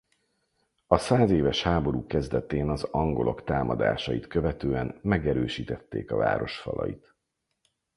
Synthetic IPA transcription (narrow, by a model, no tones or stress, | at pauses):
ɒsaːzeːvɛʃhaːbo̞ɾuːkɛzd̪ɛt̪eːnɒzɒŋɡo̞lʔo̞kt̪aːmɒd̪a̰ːʃɒjit̪kø̞vɛt̪øːɛnmɛɡɛɾøːʃiːt̪ɛt̪ːeːkɒva̰ːɾo̞ʃfɒ̰lʔɒ̰jit̪